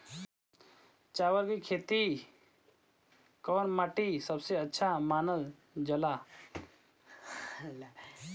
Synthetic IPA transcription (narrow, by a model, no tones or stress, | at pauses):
t͡ʃaːʋəɾkikʰeːt̪i | kɔːnmaʈisəbseətːʃʰamaːnəl | d͡ʒəla